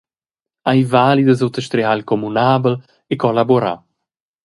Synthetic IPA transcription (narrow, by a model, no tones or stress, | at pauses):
ajvaːlid̪əz̬owt̪əʃt̪ɾealkɔmunaːbəl | ekɔlaboɾa̰